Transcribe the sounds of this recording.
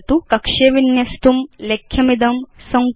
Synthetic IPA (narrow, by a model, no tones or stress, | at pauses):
t̪ukɐkʂeːʋinjɐst̪umlekʰːjɐmid̪ɐmsɐŋ